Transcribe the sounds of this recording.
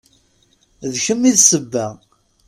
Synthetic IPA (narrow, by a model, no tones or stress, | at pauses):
ðçəmːiðsəbːæ